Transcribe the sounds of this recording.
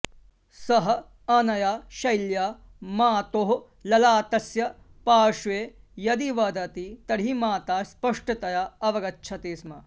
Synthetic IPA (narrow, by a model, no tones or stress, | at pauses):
sɐɦɐ̆ | ɐnɐjaʃɐjlja | maːt̪oːɦ | lɐlaːt̪ɐsjɐ | paːʂʋeːjɐd̪iʋɐd̪ɐt̪it̪ɐɽimaːt̪aːspɐʂʈɐt̪ɐjaɐʋɐɡɐtːʃʰɐt̪iːsmɐ